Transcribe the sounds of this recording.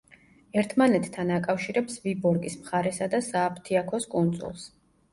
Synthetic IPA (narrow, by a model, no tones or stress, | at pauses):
ɛɾt̪ʰmanɛt̪ʰːanakʼafʃiɾɛpsvibɔɾkʼismχaɾɛsad̪asaːpʰt̪ʰiakʰɔskʼund̪sʼṵlˠs